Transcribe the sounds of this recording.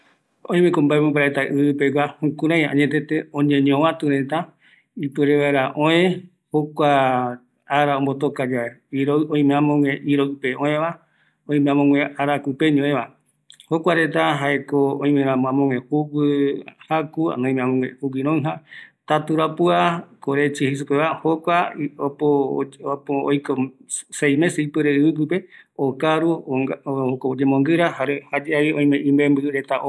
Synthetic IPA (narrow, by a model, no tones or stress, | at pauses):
õĩmẽkombaemõbaɾaet̪aʔɨɨpeɡʷahũkũɾãjaãɲet̪̬et̪eõɲẽɲõʋãt̪uɾet̪a | ipɨɾeʋaeɾaʔõẽ | hokʷa | aɾaombot̪̬okad͡ʒaeiɾoõĩmẽãmõŋẽʔiɾopeʔõẽʋa | õĩmẽãmõŋʷẽaɾakupeɲõʔẽʋa | hokʷaɾet̪̬aɦaekoõĩmẽɾãm̃ãmõŋwẽhupɨhakua̰nõĩmẽamõŋẽuwiɾõĩɦãt̪at̪uɾapuakoɾet͡ʃihis̬upeβahokʷaopopoo̰jkosejmẽsipɨɾeɨɨp̬ɨpe̞okaɾu | okod͡ʒemõŋɡɨɾahaɾehad͡ʒeaβiõj̃mẽʔĩmbẽmbɨɾet̪a